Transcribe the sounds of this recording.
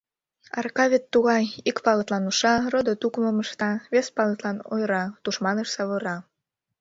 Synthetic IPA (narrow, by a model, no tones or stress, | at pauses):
ɑ̰rkɑβʲet̪ːuɣɑjikpɑlət̪lɑnuʃɑrod̪ot̪ukməməʃt̪ɑβespɑlət̪lɑnojɾɑt̪uʃmɑnəʃsɑβə̆ɾɑ